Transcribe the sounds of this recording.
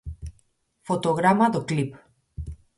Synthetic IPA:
fot̪oɣɾamad̪oklip

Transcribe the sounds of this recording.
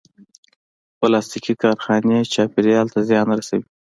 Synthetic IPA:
plɑst̪ikikɑɾxɑnet͡ʃɑpɪɾeɑlt̪azjɑnɾasawi

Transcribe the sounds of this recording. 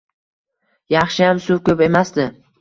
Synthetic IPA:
jɑχʃɪjamsuwkʲɵpe̞masd̪ɪ

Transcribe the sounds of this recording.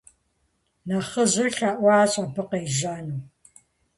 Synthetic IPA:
nɐχɐʑɨrɬaːʔʷɑːɕʼɐbɨqejʑaːnuː

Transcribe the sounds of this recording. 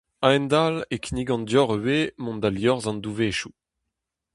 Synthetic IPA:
aɛnd̪alekiniɡɑ̃nd̪jɔʁwemɔ̃nd̪aljɔʁzɑ̃nd̪uveːʃu

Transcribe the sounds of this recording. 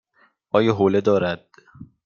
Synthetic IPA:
ɒːjɒɦoːled̪ɒːɾæd̪̥̚

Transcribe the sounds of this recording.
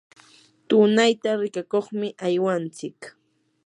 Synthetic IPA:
t̪ʊnajt̪aɾɪkakoχmɪʔajwant͡sɪk

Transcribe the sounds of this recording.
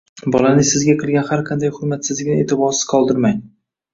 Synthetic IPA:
bɒlanɪsɪzɡʲaqʰɨlˠɡʲanhaɾqʰɑnd̪ajhʊɾmat̪sɪzlɪɡʲɪnɪe̞ːt̪ʰɪbɒɾsɪ̥z̥qʰɒlˠd̪ɪɾmaj

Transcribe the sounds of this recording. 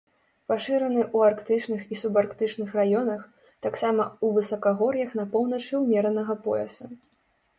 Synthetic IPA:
paʂɨɾɐnɨʔuarkt̪ɨt͡ʂnɨxisubarkt̪ɨt͡ʂnɨxrajɔnɐx | t̪aksamɐuvɨsɐkaɣɔɾjɐxn̪ɐpɔwn̪ɐt͡ʂɨwmʲɛɾɐnɐɣɐpɔ̰ɛ̰sɐ

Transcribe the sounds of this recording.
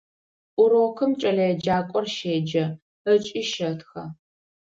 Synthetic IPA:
ʔʷʊɾoːkʰɨmt͡ʃʼɐɮɐjɛd͡ʒaːkʷʼɔrʃeːd͡ʒɐ | ət͡ʃʼiːʃɐtxɐ

